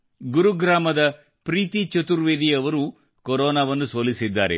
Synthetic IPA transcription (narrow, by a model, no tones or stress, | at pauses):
ɡuɾuɡɾaːmɐd̪ɐ | pɾiːt̪it͡ʃɐt̪uɾʋeːd̪iɐʋɐɾu | koɾɔːnaːʋɐnːusoːlisid̪ːa̰ːɾḛ